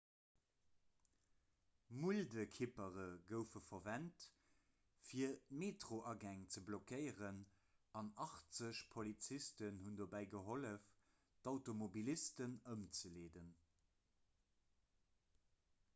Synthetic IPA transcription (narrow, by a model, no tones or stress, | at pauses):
muldəkʰipəʁəɡəʊfəfɐvænt | fiɐmeːtʁoʔɑɡæŋt͡səblokəɪəʁən | ɑnɑχt͡səɕpʰolit͡sistənhundoːbæɪɡəɦoləf | taʊtomobilistənəmt͡səleːdən